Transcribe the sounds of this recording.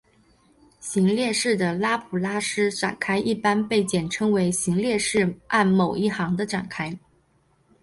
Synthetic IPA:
ɕi˧˥ŋljɛ˥˧ʂɻ̩˥˩d̪ə˩la˥pʰu˨˩la˥ʂɻ̩˥ʈ͡ʂa̰˨˩nkʰa˥ɪʔi˥˩pa˥npe˥˩ɪt͡ɕjɛ˨˩nʈ͡ʂʰɤ˥ŋwe˧˥ɪɕi˧˥ŋljɛ˥˧ʂɻ̩˥˩ʔa˥˩nmo˨˩ʊʔi˥˩xɑ˧˥ŋd̪ə˧ʈ͡ʂa˨˩nkʰa˥ɪ

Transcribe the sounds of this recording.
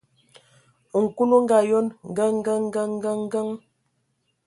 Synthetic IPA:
ŋ̩˨ku˦lo˦ŋ˦ɡa˨jo˦nŋ˨ɡə˦ŋ˦ɡə˦ŋ˦ɡə˦ŋ˦ɡə˦ŋ˦ɡə˦ŋ

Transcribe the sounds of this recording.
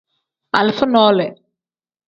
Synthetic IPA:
ɐ˨lfʊ˦nɔː˦lɛ˨

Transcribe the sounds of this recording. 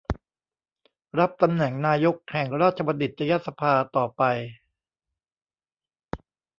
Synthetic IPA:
ɾa˦˥p̚t̪a˧mnɛ˨˩ŋnaː˧jo˦˥k̚hɛ˨˩ŋɾaː˥˩t̪̚t͡ɕʰa˧pa˧di˨˩t̪̚ɾa˧ja˦˥t̪̚sa˧pʰaː˧t̪ɔː˨˩pa˧j

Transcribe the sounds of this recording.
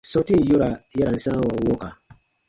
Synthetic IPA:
sɔ˨te˦˨jo˦ɾa˨ja˦ɾa˨n̩˦sã˦wa˨˦wɔ˦ka˨

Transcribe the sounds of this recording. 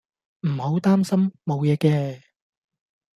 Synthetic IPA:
m̩˨˩ho˨˥wt̪aː˥msɐ˥mːo˨˧wjɛː˨˧kɛː˧

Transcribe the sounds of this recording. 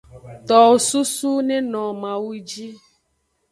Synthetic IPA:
t̪ɔ˨wo˨su˦su˦nẽ˦nɔ̃˨mã˨wu˦d͡ʒi˦

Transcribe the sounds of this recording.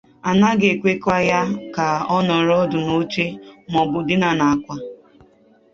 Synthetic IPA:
a˨na˦ɡe˨kʷe˦ka˦ja˦ka˨ɔ˦nɔ˨ɾɔ˦dʊ˨no˦t͡ʃe˦mɔ˨bʊ˨dɪ˦na˨na˨a˨kʷa˦

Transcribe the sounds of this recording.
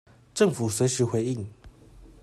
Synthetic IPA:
ʈ͡ʂɤ˥˨ŋfu˨˩swe˨˥ɪʂɻ̩˧˥xwe˨˧˥ɪi˥˩˨ŋ

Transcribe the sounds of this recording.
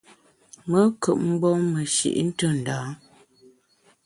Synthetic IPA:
mə˦kə˨ʔ̚m̩˦bɔ˦mə˨ʃḭ˨ʔn̩˦tə˦˨n̩˨da˨˦

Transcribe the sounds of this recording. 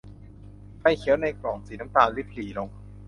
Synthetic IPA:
pa˥˩jkʰi˨˦əwna˧jkɾɔː˨˩ŋsiː˨˩˦na˦˥t̪aː˧nli˦˥p̚ʰliː˨˩˦lo˧ŋ

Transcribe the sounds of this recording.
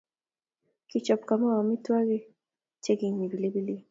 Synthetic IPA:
ki˨t͡ʃɔ˨p̚ka˨ma˦wa˨mi˦twa˦ɾi˦ | t͡ʃe˦ɡi˨ŋ˨ni˨bi˨li˦bi˦li˦

